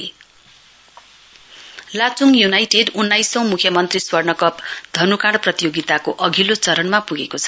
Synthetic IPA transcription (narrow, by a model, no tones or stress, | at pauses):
lat͡suŋjunajʈeɖunːajsʌ̃w̃mukʰjʌmʌnt̪riswʌrnʌkʌpd̪ʱʌnukãɽprʌt̪ijoɡit̪akoʔʌɡʱilot͡sʌɾʌnmapuɡekot͡sʰʌ̥